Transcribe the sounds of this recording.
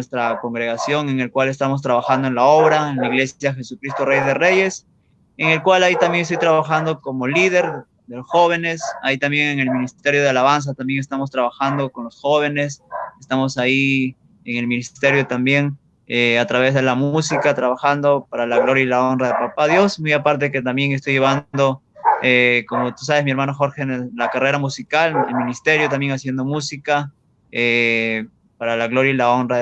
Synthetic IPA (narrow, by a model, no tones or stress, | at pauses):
est̪ɾako̞ŋɡɾe̞ɣasjo̞ŋe̞ŋe̞lkwale̞s̬t̪amo̞s̬t̪ɾaβaxand̪oe̞nlao̞βɾaenlaiɣle̞sjaxe̞sukɾist̪o̞rejðe̞re̞je̞s | eŋe̞lkwalait̪ambjeŋes̬t̪ojt̪ɾaβaxand̪o̞ko̞mo̞liðe̞ɾ | ðe̞losxo̞β̞e̞ne̞sait̪ambje̞ŋe̞ŋe̞lmĩnist̪e̞ɾjo̞ðealaβ̞ans̬at̪ambje̞ŋest̪amo̞s̬t̪ɾaβaxand̪o̞ko̞nlo̞sxo̞βe̞ne̞sest̪amo̞sai | eŋe̞lmĩnist̪e̞ɾjot̪ambje̞ŋ | eat̪ɾaβe̞zðe̞lamusikat̪ɾaβaxand̪o̞paɾalaɣlo̞ɾjailaonraðelpapaðjo̞smujapaɾt̪eeket̪ambje̞ŋe̞s̬t̪o̞jeβand̪o̞ | eko̞mot̪u̥s̬aβesmie̞ɾmanoxo̞ɾxenlakare̞ɾamusikalelminist̪e̞ɾjo̞t̪ambje̞ŋasje̞nd̪o̞musika | e | paɾalaɣlo̞ɾjailao̞nraðe